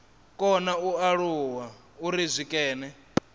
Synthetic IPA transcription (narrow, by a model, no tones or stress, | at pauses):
kʼɔnauaɺuwa | uɾizʷikʼɛːnɛ